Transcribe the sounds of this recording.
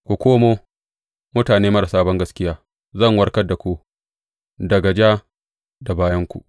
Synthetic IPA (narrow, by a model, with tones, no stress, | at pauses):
kʷu˨kʷoː˦moː˦ | mʊ˦taː˨neː˦mɐ˦ɾa˨saː˦bɐ˦ŋɡɐ˦skʲɪ˦jaː˦ | zɐ˦˨ŋwɐ˦ɽkɐ˦da˨kʷu˦ | dɐ˨ɡɐ˨d͡ʒa˦ | da˨baː˦jɐ˦ŋkʷṵ˨ʔ